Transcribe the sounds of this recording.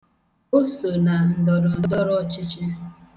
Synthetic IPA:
o˦so˨na˨n̩˨dɔ˨ɾɔ˨˦dɔ˦ɾɔ˦˨t͡ʃɪ˦t͡ʃɪ˦

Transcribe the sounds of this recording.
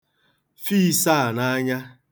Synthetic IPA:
fi˦˨sa˦˨na˦ɲa˦

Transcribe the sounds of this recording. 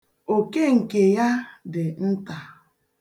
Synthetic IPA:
o˨ke˦ŋ̩˨ke˨ja˦dɪ˨n̩˦ta˨

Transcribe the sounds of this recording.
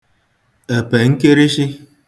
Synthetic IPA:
e˨pe˨ŋ̩˦ke˦ɾi˦ʃi˦

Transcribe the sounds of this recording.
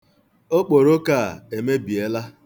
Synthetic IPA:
o˦k͡po˨ɾo˦ka˦˨e˨me˦bi˨e˦la˦

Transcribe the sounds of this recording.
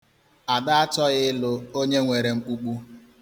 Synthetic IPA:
a˨da˦a˦tɔ˦ɣɪ˦ɪ˦lʊ˦o˦ɲe˦ŋʷe˨ɾe˨ŋ͡m̩˦k͡pu˦k͡pu˦

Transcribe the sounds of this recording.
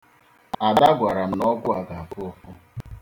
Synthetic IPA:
a˨da˦ɡʷa˨ɾa˨m̩˨nɔ˦ɡʷʊ˦a˨ɡa˨a˨fʊ˦ɔ˦fʊ˦

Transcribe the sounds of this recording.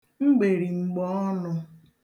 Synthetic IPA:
ŋ͡m̩˦ɡ͡be˨ɾi˨ŋ͡m̩˨ɡ͡bɔ˨˦ɔ˦nʊ˧

